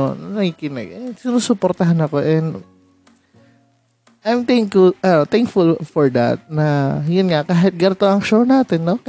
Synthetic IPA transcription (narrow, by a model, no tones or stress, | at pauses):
o̰nɐnɐɡikɪnɐ̰ɡɐsɪnoːsʊpoɾt̪ɐɦanɐko̞ʔɛnd̪ | ʔajmt̪ɛŋkʊlɐnot̪ɛŋkfʊlfɔɹd̪ɐ̰t̪̚nɐjʊnŋakaːɦɪt̪̚ɡɐɾt̪oʔɐŋʃownaːt̪ɛnːok